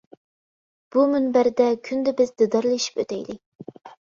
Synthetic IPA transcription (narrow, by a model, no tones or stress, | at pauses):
b̥umɪnbæɾɪd̪ɛkʲʰynd̪ɛbɪzd̪ɨd̪ɑɾlˠɨʃi̥pø̰t̪ʰɛjlɪk̚ʲ